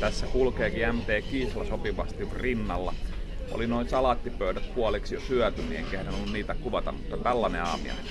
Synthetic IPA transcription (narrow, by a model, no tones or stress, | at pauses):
t̪æsːækulkeːkiæmt̪eːkiːslɑsopiʋɑst̪iʋrinːɑlːɑʔo̰linoinsɑlɑt̪ːipøydæt̪̚kuɑleksjosyæt̪ymiḛŋkehdænolːunniːt̪ækuʋɑt̪ɑ̰mmut̪ːɑt̪ælːɑnḛɑ̰ːmḭɑ̰